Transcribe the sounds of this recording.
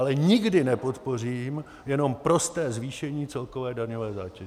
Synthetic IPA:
alɛɲɪɡdɪnɛpo̞t̪po̞r̝iːm | jɛno̞mpɾo̞st̪ɛːzviːʃɛɲiːt͡sɛlko̞vɛːdaɲovɛːzaːcɛ

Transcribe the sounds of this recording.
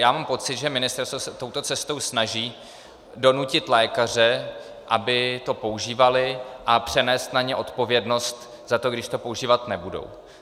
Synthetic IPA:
jaːmaːmpo̞t͡sɪt̪ʒɛmɪnɪst̪ɛɾst̪vosɛt̪o̞wt̪o̞t͡sɛst̪o̞wsnaʒiː | do̞nucɪt̪lɛːkar̝ɛ | ʔabɪt̪o̞po̞uʒiːvalɪʔapr̝̥ɛnɛːst̪naɲɛʔo̞t̪po̞vjɛdno̞st̪ | z̥at̪o̞ɡdɪʃt̪o̞pouʒiːvat̪nɛbudo̰w

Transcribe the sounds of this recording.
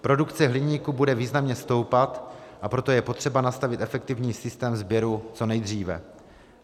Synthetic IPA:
pɾo̞dukt͡sɛɦlɪɲiːkubudɛviːznamɲɛst̪o̞wpat̪ʔapɾo̞t̪ojɛpo̞t̪r̝̥ɛbanast̪avɪt̪ʔɛfɛk̚t̪ɪvɲiːsɪst̪ɛːmzbjɛɾut͡so̞nɛjd̪r̝iːvɛ̰

